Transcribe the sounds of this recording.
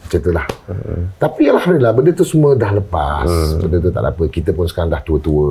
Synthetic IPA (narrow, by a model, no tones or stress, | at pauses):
t͡ʃet̪əlaht̪apialhamd̪ilahbəndət̪usumũədahləpa̰ssbəndət̪ut̪a̰ʔla̰pəkit̪əpʊnsə̥kaɾãŋdaht̪uət̪uə